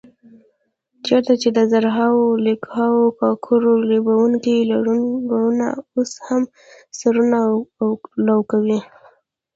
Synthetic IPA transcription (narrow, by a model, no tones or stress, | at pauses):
t͡ʃɑt̪at͡ʃed̪əzaɾɦɑwolikhɑwokɑkʰʊɾolobawuŋkilaɽuɡaɽuna̰osham | saɾuna | lawkawi